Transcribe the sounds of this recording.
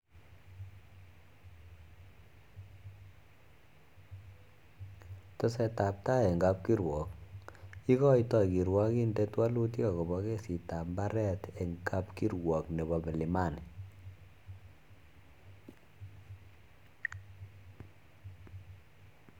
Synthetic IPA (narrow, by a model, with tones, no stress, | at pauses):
tɔ˦sɛ˧ta˨p̚ta˦e˨ŋɡa˧p̚ki˦ɾwɔ˨k̚ | i˦kɔ˦jtɔ˨iki˨ɾwa˦ki˦nde˦twa˦lu˦t̬i˦ka˨ko˨bɔ˦ke˦si˨ta˨mba˦ɾɛ˦te˨ŋka˦pki˦ɾwɔ˨kne˨βɔ˨mɛ˨li˨ma˦˨n